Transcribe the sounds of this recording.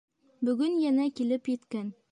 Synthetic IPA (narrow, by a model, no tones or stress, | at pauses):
bɵ̆ɡɵnjænækilɘpjɘ̆t̪kæn